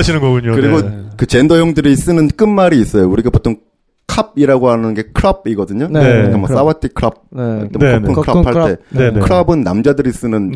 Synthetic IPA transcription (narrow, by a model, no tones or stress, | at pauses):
ɕʰinɯnɡʌɡuɲokɯɾiɡokɯt͡ɕe̞ndʌjoŋdɯɾis͈ɯnɯnk͈ɯnmaɾiːs͈ʌjouɾiɡapotʰoŋ | kʰab̚iɾaɡohanɯnɡe̞kʰɯɾʌb̚iɡʌdɯɲoekemwʌ̰s͈awatʰikʰɯɾʌp̚t͈ekʰokʰːɯnkʰɯɾʌpʰaɭt͈e̞ekʰɯɾʌbɯnːa̰md͡ʑadɯɾis͈ɯnɯn